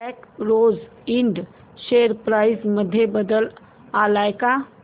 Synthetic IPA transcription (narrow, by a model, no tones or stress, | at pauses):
ɛkɾoːz | ɪɳɖ | ʃeəɾpɾaːɪsməd̪ʱːjebəd̪əl | alajka